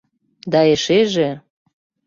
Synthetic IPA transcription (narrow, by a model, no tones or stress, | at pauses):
d̪ɑeʃeʒe